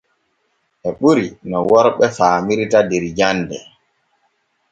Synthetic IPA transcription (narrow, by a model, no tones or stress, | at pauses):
ʔɛɓuɾinɔwɔɾɓɛfaːmiɾtadɛɾd͡ʒandɛ̰